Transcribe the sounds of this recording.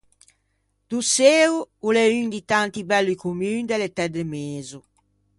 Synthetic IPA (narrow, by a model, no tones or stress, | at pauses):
d̪̥useːuulɛynd̪it̪ant̪ibɛlːikumyːnd̪elet̪ɛd̪emeːzu